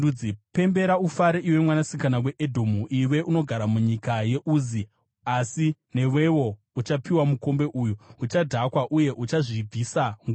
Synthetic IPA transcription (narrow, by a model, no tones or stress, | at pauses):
uipe̞mbe̞ɾaufaɾeʔiwe̞mwanasikanawe̞ʔedʱo̞muʔiwe̞ʔuno̞ɡʱaɾamuɲikaje̞ʔuːzi | asine̞we̞wo̞ | ut͡ʃapiwamuko̞mbe̞ʔujuut͡ʃadʱakwaʔuje̞ʔut͡ʃaʐib͡vʱisaŋɡ